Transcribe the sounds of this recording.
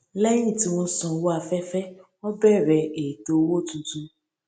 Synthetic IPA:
lɛ˦j̃ĩ˦˨ti˦wɔ̃˦sɔ̃˧wo˦a˨fɛ˦fɛ˦ | ɔ˦bɛ˦˨ɾɛ˧e˨to˨˦wo˦˨tũ˧tũ˧

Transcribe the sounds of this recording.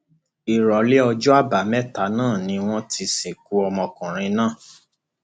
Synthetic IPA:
i˨ɾɔ˨˦le˦ɔ˧d͡ʒɔ˦a˦˨ba˨˦mɛ˦ta˨˦nãː˦˨nĩ˧w̃ɔ̃˦ti˧se˨k̚u˨˦ɔ˧mɔ̃˧kɔ̃˨ɾ̃ĩ˧nãː˦˨

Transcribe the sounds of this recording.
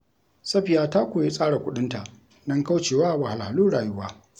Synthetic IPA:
sɐ˦ɸi˨jaː˦ta˦kʷoː˨ji˦sʼaː˦ɽa˨kʷʊ˦ɗɪ˦nta˨ʔ | nɐ˦ŋka˦wt͡ʃeː˨waː˦ʔwa˨ha˨lha˨luː˦ɽaː˨jʊ˦waː˦

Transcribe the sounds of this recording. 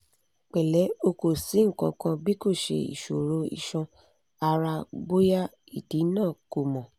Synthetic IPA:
k͡pɛ˨lɛ˨˦o˧ko˨si˨˦ŋ̩˦˨kɔ̃˧kã˧bi˦ko˦˨ʃḛ˧ḭ˨ʃo˨ɾo˨˦ḭ˦˧ʃɔ̃˧ | a˧ɾa˧bo˦ja˦ | i˦˨ti˨˦nãː˦˨ko˨mɔ̃˨

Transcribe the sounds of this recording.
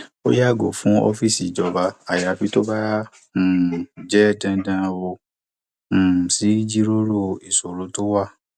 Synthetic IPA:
o˦ja˦˨ɡo˨fũ˨˦ɔ̰˦fi˦˨si˨d͡ʒɔ˧ba˧a˨ja˨bi˨˦to˦bã˦˨ | d͡ʒɛ˦˨dɛ̃˧˦dã˧wo˧˨ | si˨˦d͡ʒi˦ɾo˦ɾo˦˨i˨so˨ɾo˨˦to˦wa˦˨

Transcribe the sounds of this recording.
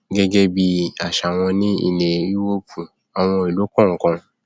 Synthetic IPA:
ɡɛ˦ɡe˦bi˦a˨ʃa˨w̃ɔ̃˧nĩ˦ḭ˦˨le˨i˦wo˦pʰu˨ | a˨w̃ɔ̃˧i˨lo˨˦kɔ̃˦˨ŋ̩˨kã˧

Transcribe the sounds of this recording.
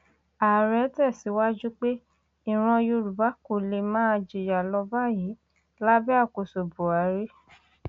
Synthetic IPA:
a˨ɾɛ˨˦tɛ˦˨si˨˦wa˦d͡ʒu˦k͡pe˦ | i˨ɾ̃ɔ̃˧jo˧ɾu˨ba˨˦ko˨le˨˧mãː˦˧d͡ʒi˨ja˨lɔ˧ba˦˨ji˨˦ | la˦bɛ˦a˦˨ko˨so˨bo˨a˨˦ɾe˦

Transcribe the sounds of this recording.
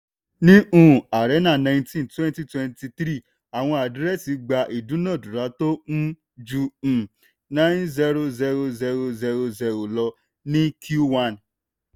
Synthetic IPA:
nĩ˦ũ˦˨a˨ɾɛ˨˦nã˦˨nã˨˧ĩ˧ntĩ˦n˨twɛ̃˦n˦ti˦twɛ̃˧nti˧tɾi˦˨ | a˨w̃ɔ̃˧a˨dɾɛ˦˨si˧˦ɡ͡ba˧ʔi˨dũ˨˦nã˦˨du˨ɾa˨˦to˦n̩˦ | d͡ʒũ˧˨ | nã˦nzɛ˧ɾo˧zɛ˧ɾo˧zɛ˧ɾo˧zɛ˧ɾo˧zɛ˧ɾo˨lɔ˧ | nĩ˦kʰju˦wa˦˨n

